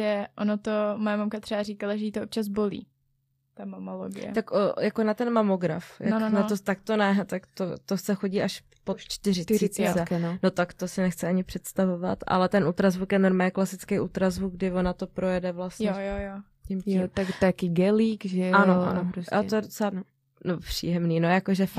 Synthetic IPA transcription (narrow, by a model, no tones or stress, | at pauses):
ʒɛʔonot̪omojamamkat̪r̥ɛbarikalaʒɛjit̪oʔop̚t͡ʃaz̬bolḭː | t̪amamolo̰ɡɪ̰ɛ̰t̪akʔojakonat̪ɛnmamoɡɾa̰fja̰nat̪ot̪ak̚t̪onɛt̪akt̪ot̪osɛxo̞ɟiːʔaʃ | pot̪t͡ʃt̪ɪɾɪsiɛkɛnono̞t̪akt̪osɪnɛxt͡sɪaɲɪpr̝̥ɛt̪st̪avova̰t̪ʔa̰lɛt̪ɛnʔuːt̪ɾazvukjɛnoɾmaːɛklasɪt͡skejʔuːt̪ɾazvukɡ̚ɡdɪvonat̪o̞pɾo̞jɛdɛvlasjɛjojo | cimt̪at̪kɪɡɛliːkʒɛanoa̰noɾosʔat̪ojɛdot͡sɛa | nopr̥ḭːjɛmniːnojakoʒɛf